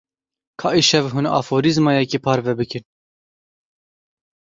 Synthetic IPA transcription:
kʰɑːʔiʃɛvɦunɑ̰foːɾizmɑjɛkipʰɑːɾvɛbɨkɨn

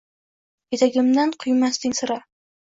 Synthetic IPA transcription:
jet̪aɡʲɪmd̪anqʰʊjmast̪ɪnʲsɨɾa

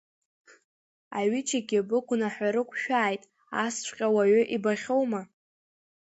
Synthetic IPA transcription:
aɥɪt͡ʃʰaɡʲibɨkʷʊnaħʷᶣaɾɨkʷʰʃᶣaːjtʼ | ast͡ʃʷʰʼqʲʼawaɥʏʔibaχʲowma

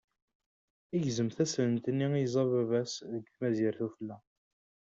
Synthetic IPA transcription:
iʝzəmθæslənt̪ənːiizˤɑvævæsðəɡθmæziɾθufəlːæ

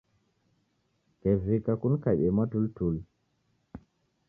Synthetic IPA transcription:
kɛvikakunkaɓɛmatultul

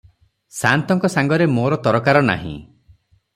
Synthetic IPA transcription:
sant̪ɔŋkɔsaŋɡɔɾemoɾɔt̪ɔɾɔkaɾɔna̰ɦḭ̃

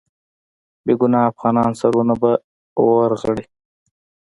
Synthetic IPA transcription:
beːɡunɑːfɣɑnɑːnsaɾunaba | oɾʁəɽi

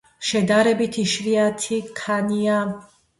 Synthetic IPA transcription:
ʃɛd̪aɾɛbit̪ʰiʃviat̪ʰikʰania

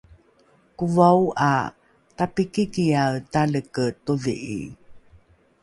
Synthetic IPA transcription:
kuvawʔa̰ | tapikikiawtaləkətuɮḭʔḭ

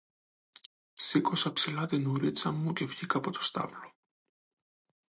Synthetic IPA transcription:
sikosɐpsilɐt̪inuɾit͡sɐmːuce̞vʝikɐpot̪o̥st̪ɐ̰vlo

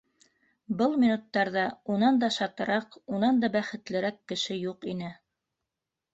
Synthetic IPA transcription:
bɤlˠmʲinut̪ːɑɾðɑunɑnd̪ɑʃɑt̪ɤ̆ɾɑqunɑnd̪ɑbæχɘ̆t̪lɘ̆ɾækːɘ̆ʃɘjuqinɘ

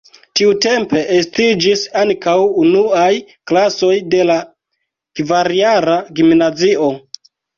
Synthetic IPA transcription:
tiute̞mpe̞ʔestid͡ʒisaŋkawunuaj | klaso̞jde̞la | kvaɾiaɾaɡimnazio̞

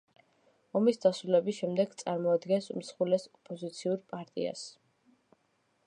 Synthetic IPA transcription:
ɔmisd̪asɾulɛbisʃɛmd̪ɛɡt̪sʼaɾmɔad̪ɡɛnsm̩sχulɛsɔpʼɔzit̪sʰiuɾpʼaɾt̪ʼḭa̰s

